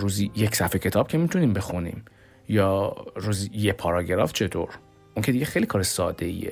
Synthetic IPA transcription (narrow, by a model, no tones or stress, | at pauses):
ɾuːzijecʰsæfecʰe̞t̪ʰɒːb̥cʰe̞miːt̪ʰuniːmbe̞xunḭːm | jɒːɾuːzijepʰɒɾɒːɟeɾɒ̰ft͡ʃʰe̞t̪ʰo̰ːɾ | ʔuŋcʰe̞d̪iɟe̞xejlikʰɒːɾesɒːd̪e̞ḭḛ